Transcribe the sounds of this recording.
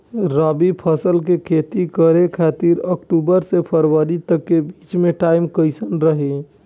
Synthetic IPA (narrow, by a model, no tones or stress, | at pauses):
ɾaːbipʰəsəlkekʰeːt̪ikəɾekʰaːt̪iɾəkʈubəɾsepʰəɾwəɾit̪əkːebit͡ʃmẽʈaːɪmkəɪsənɾəɦe